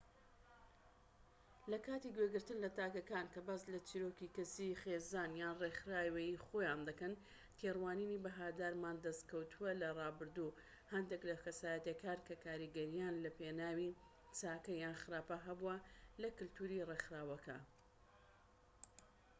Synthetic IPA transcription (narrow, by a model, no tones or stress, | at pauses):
lɐkaːt̪iɡweɡɨɾt̪ɨnlɐt̪aːkɐkankɐbaːslɐt͡ʃiːɾoːkikɐsixezaːnjaːnrexɾaːwejiχojaːnd̪ɐkɐn | t̪ʰerwaːninibɐɦaːd̪aːɾmaːnd̪ɐst̪kɐwt̪ʰuɐlɐrˤɑːbɨɾd̪u | hɐnd̪eklɐkɐsaːjɐt̪jekʰaːɾkʰɐkʰaːɾiɡɐɾijaːnlɐpenaːwi | t͡saːkɐjaːnxɨɾaːpɐɦɐbuɐlɐkɨlt̪ʰuːɾirexɾaːwɐkʰɐ̰